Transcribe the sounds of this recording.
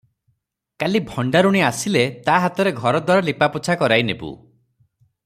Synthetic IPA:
kalibʱɔɳɖaɾuɽ̃iasilet̪aɦat̪ɔɾeɡʱɔɾɔd̪waɾɔlipaput͡ʃʰakɔɾajnebṵ

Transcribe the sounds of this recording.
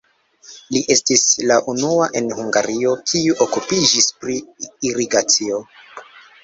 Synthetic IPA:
liʔe̞stislaʔunuaʔe̞nhuŋɡaɾio̞kʰiuʔokupid͡ʒispɾiiɾiɡat͡sio̞

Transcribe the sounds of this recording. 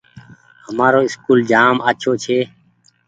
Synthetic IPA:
həmaːɾoːɪskuːld͡ʒaːmaːt͡ʃʰoːt͡ʃʰeː

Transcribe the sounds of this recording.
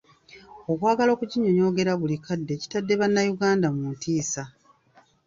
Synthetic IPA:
o̞kwaːɡalo̞ːkuɟiɲo̞ɲo̞ːɡe̞ɾaβulikadːe̞ːci̥tadːe̞βanːajuɡaːndamuutiːsa

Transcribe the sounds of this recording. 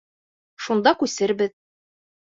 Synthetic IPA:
ʃund̪ɑkʉsɘɾbɘð

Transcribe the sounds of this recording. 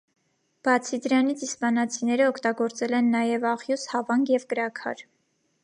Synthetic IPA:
b̥ɑt͡sʰid̪əɾɑnit͡sʰispɑnɑt͡sʰinɛɾəɔkʰt̪ɑɡɔɾt͡sɛlɛnːɑjɛvɑχjushɑvɑŋɡjɛvkəɾɑkʰɑ̰ɾ

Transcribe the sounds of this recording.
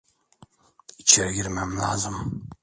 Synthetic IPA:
it͡ʃʰɛɾɡʲiɾmæmla̰ːzɨm

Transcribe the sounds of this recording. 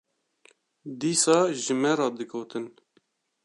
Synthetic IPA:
d̪iːsɑːʒɨmɛɾɑːd̪ɨɡʰoːt̪ɨn

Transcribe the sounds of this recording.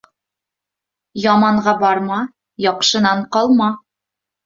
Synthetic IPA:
jɒmɑɴʁɑbɒɾmɑ | jɒqʃɤ̆nɑɴqɒlˠmɑ

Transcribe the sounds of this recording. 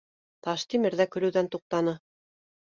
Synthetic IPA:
t̪ɑʃt̪imɘ̆ɾðækɵ̆ɾɵ̆wðænt̪uq̚t̪ɑnɤ

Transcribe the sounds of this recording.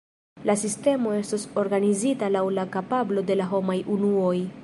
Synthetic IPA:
lasiste̞mo̞e̞stoso̞ɾɡanizitalawlakapablo̞de̞laɦo̞majunuo̞j

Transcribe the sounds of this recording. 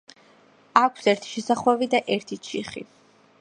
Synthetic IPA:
akʷʰsɛɾt̪ʰi̥ʃɛsaχwɛvid̪aʔɛɾt̪ʰit͡ʃʰḭχḭ

